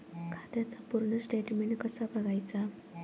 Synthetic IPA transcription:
kʰat̪jat͡sapuɾɳəsʈeʈmeɳʈkəsabəɡajt͡sa

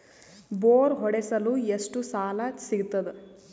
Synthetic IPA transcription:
boːɾɦɔɽesɐluːeʂʈusaːlɐsiɡut̪ːɐd̪e

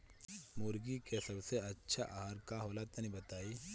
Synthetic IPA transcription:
mʊɾɡikesɐbseɐtːʃʰaʔaːɦaɾkaɦoːlat̪ɐnĩbɐt̪aːiː

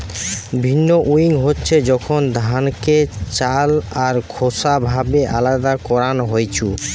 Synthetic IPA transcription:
bʱinːoʔuiŋɦotːɕʰed͡ʑɔkʰond̪ʱanket͡ɕalaɾkʰosabʱabeʔalad̪akɔɾanɦojt͡ɕʰu

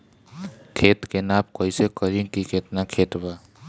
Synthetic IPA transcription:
kʰeːt̪kenaːp̚koisekəɾikikʰet̪nakʰeːt̪ba

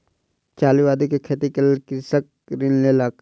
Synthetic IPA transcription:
t͡ʃaːliʋaːd̪ikekʰeːt̪ikəlkɪsək̚ɾɪnlelaːk

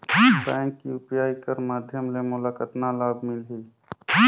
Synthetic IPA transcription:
bɛ̃ːŋkːiʊpjaːikəɾmaːd̪ʱjəmlemʊlaːkət̪nalaːb̚mɪlɦiː

